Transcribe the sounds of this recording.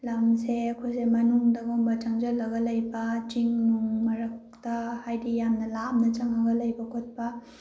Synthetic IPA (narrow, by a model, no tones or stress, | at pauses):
lamseɐkʰojsemɐnuŋdɐɡombɐt͡ʃɐŋd͡ʒɐlːɐɡɐlɐjbɐt͡ʃiŋnuŋmɐɾɐk̚tɐhajdijamnɐlamnɐt͡ʃɐŋɐɡɐlɐjbɐkʰot̚pɐ